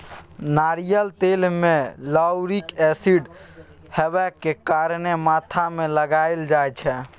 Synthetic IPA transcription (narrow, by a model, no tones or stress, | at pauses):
naɾijəlt̪elmeləwɾikesiɖ | hebɛkːekaɾnemat̪ʰameləɡaeld͡ʒajt͡ʃʰɛ